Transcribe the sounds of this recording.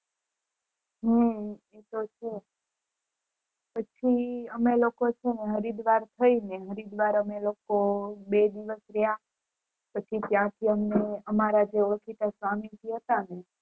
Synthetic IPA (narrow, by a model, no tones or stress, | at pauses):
ɦə | et̪ot͡ʃʰe | pət͡ʃʰiəmelokot͡ʃʰeneɦəɾid̪ʋaɾt̪ʰəineɦəɾid̪ʋaɾəmelokobed̪iʋəsɾəɦja | pət͡ʃʰit̪jãt̪ʰiəmneəmaɾad͡ʒeoɭkit̪asʋamit̪iɦət̪ane